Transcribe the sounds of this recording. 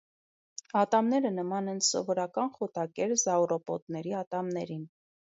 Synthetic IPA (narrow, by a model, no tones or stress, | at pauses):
ɑt̪ɑmnɛɾənəmɑnɛnsɔ̰vɔɾɑkɑnχɔt̪ɑkɛɾzɑɔɾɔpɔt̪nɛɾiɑt̪ɑmnɛɾin